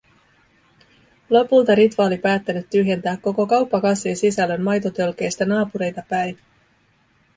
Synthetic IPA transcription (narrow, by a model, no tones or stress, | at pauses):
lo̞pult̪ɑɾit̪ʋɑo̞lipæːt̪ːænyt̪ːyhje̞nt̪æːkːo̞ko̞kɑwpːɑkɑsiːnsisælːønmɑjt̪o̞t̪ølk̟e̞jst̪ænɑːpuɾe̞jt̪ɑpæjn